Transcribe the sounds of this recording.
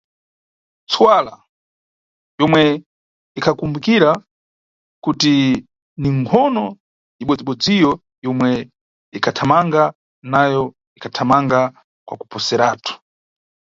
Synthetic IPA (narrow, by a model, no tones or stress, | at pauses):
t͡swala | jɔmwɛ | ikʰakumbukiɾa | kuti | niŋkʰɔnɔ | iɓɔd͡ziɓɔd͡zijɔ | jɔmwɛ | ikʰatʰamaŋɡa | najɔ | ikʰatʰamaŋɡa | kwa̰ku̥pɔsɛɾaːtʰu̥